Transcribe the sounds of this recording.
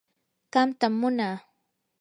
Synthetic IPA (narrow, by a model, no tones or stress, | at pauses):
ɢ̥ɑmt̪amːʊnaː